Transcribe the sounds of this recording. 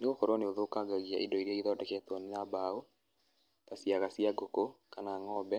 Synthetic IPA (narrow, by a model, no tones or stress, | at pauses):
neɣokɔɾɔneoðoːkaɡaɣjaʔendɔiɾiaiðɔdɛkɛtɔnɪnabao | tasiaɣasiaɡokokanaŋɔbɛ